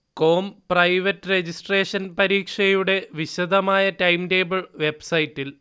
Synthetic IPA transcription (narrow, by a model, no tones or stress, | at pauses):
ko̞ːmprɐjʋɐtːɨred͡ʑisʈre̞ːʂɐnpɐɾiːkʂɐjuɽe̞ʋiɕɐd̪ʱɐmaːjɐtɐjmte̞ːbɐɭʋe̞bsɐjtːil